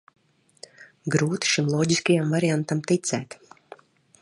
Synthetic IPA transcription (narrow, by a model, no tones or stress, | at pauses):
ɡɾuːt̪i̥ʃimlˠɔːɟiskajamvaɾijant̪amt̪it̪sɛːt̪